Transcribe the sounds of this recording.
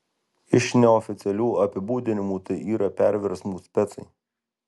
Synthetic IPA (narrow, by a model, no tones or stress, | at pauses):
ɪʃnʲɛɔfʲɪt̪sʲɛlʲuːɐpʲɪbuːd̪ʲɪnʲɪmuːt̪ɐɪʔiːɾɐpʲæˑɾʲʋʲɛɾsmuːsʲpʲɛt̪sɐɪ